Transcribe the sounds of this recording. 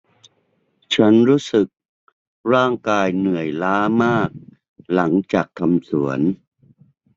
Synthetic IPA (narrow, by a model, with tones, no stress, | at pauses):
t͡ɕʰa˦˥nɾuː˦˥sɯ˨˩k̚ | ɾaː˥˩ŋkaː˧jnɯ˨˩əjlaː˦˥maː˥˩k̚ | la˩˦ŋt͡ɕaː˨˩kʰːa˧msu˩˦ən